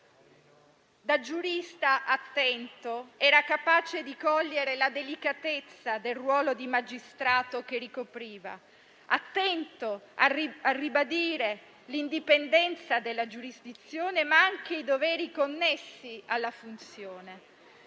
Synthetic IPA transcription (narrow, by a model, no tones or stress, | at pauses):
d̪ad͡ʒuɾist̪aʔat̪ːɛnt̪oɛːɾakapaːt͡ʃed̪ikɔʎːeɾelad̪elikat̪et̪sːad̪elrwɔːlod̪imad͡ʒist̪ɾaːt̪ok̟erikopɾiːva̰ | at̪ːɛnt̪oariarːibad̪iːɾe | lind̪ipend̪ɛnt̪sad̪elːad͡ʒuɾizd̪it̪sjoːnemaaŋk̟eid̪ovɛːɾikonːɛsːialːafunt̪sjoːne